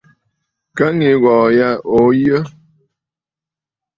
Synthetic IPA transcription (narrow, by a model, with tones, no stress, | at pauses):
ka˦ŋi˨˦ɣɔː˨ja˦ʔo˨˦jə˦